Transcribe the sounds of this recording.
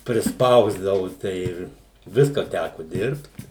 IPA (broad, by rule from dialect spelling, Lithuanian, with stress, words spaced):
pʲrʲɪsˈpɐʊzdɐʋʊ tɐɪ ˈɪr ˈʋʲɪskɐ ˈtʲækʊ ˈdʲɪrpt